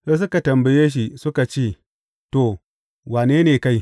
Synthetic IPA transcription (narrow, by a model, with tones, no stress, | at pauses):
se˦s̬u˦ka˨tɐ˨mbɐ˨je˦ʃ̬i˨su˦ka˨t͡ʃeː˦˨ | to˨ | waː˨neː˦neː˨ka˦j